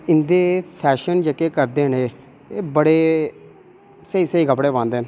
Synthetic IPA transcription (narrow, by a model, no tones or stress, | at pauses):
ɪnd̪eːpʰɛːʃənd͡ʒekeːkəɾd̪eːneː | eːbəɽeː | səiːsəiːkəpɽeːbãːnd̪eːn